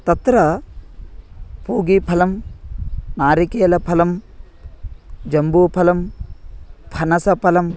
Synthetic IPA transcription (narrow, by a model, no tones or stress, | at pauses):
t̪ɐt̪ɾɐ | puːɡipʰɐlɐm | naːɾikeːlɐpʰɐlɐm | d͡ʒɐmbuːpʰɐlɐm | pʰɐnɐsɐpʰɐlɐm